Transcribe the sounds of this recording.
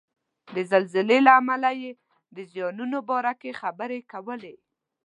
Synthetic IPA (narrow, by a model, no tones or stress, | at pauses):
d̪əzalzɪlelaːmalaje | d̪əzjɑnunobɑɾakexabəɾekawəle